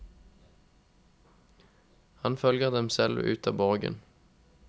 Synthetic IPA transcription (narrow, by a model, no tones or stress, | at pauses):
hɑnfœlɡəʁd̪ɛmsɛlʉ̰ːt̪ɑ̰ːbɔʁɡə̰n